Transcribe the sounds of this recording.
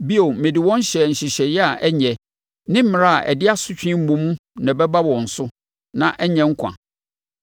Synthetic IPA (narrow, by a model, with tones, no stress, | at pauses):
bi˦o˨mẽ˨di˨wɔ̃˦n˦ɕɛ˨ɲ̩˨ɕɪ˨ɕɛ˨jɛ˦a˨ʔɛ˦ɲɛ˨ | nɪ̃˦m̩˦mɪ̃˨ɾa˦˨a˨ʔɛ̰˨dɪ˦a˦sʊ˦t͡ɕᶣĩ˦m̩˦mũ˨mũ˦nã˨bɛ˦ba˦wɔ̃˨n̩˨sʊ˦ | nã˨ʔɛ˦ɲɛ̃˦ŋ̩˦kʷʰã̰˨